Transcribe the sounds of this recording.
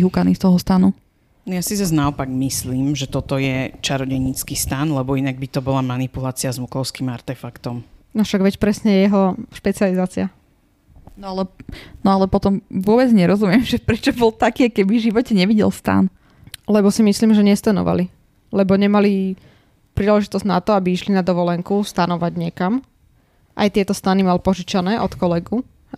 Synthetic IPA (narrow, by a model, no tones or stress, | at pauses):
ɦukanist̪ɔɦɔst̪anu | njasizaznaɔpaɡmisliːmʒɛt̪ɔt̪ɔjɛt͡ʃaɾɔɟɛɲit͡skiːst̪anlɛbɔinaɡ̚bit̪ɔbɔlamanipulaːt͡siazmukɔʊskiːmaɾt̪ɛfakt̪ɔmnɔfʃaɡʋɛcpɾɛsɲɛjjɛɦɔʃpɛt͡sializaːt͡sia | nɔalɛnɔalɛpɔt̪ɔmʋʊɔbɛd͡zɲɛɾɔzumɪɛmʒɛpɾɛt͡ʃɔbɔlt̪akiːakɛbiʒiʋɔcɛɲɛʋiɟɛ̰lst̪a̰n | lɛbɔsimisliːmʒɛɲɛst̪anɔ̰ʋʔa̰li | lɛbɔɲɛmali | pɾiːlɛʒit̪ɔzɟnat̪ɔabiiʃlinad̪ɔʋɔlɛŋkust̪anɔʋaɟɲɛkam | ʔa̰jt̪ɪɛt̪ɔst̪animalipɔʒit͡ʃanɛːʔɔt̪kɔlɛɡu